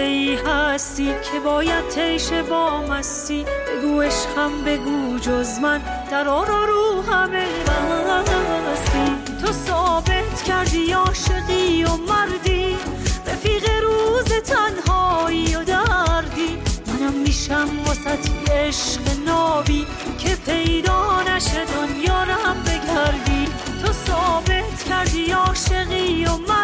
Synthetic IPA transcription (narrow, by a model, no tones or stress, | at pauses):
eiːɦæst̪iːkʰebɒːjæd̪̚t̪ʰejʃebɒːmæst̪iːbeɡuːe̞ʃqæmbe̞ɡuːd͡ʒozmæn | d̪̥æɾɒːɾɔːɾuːɦæme | bæ | st̪i | t̪ʰosɒːbe̞t̪ʰkʰæɾd̪iːɒːʃeɣiːjomæɾd̪iː | ɾefiːɣeɾuːzet̪ʰænɦɒːijod̪æɾd̪iːmænæmːiːʃæmbɒsæt̪ʰieʃqenɒːbiː | kʰe̞pʰe̞jd̪ɔːnæʃed̪onjɒːɾæmbeɡæɾd̪i | t̪ʰosɒːbe̞t̪ʰcʲʰæɾd̪iːɒːʃe̞ɣiːjomæ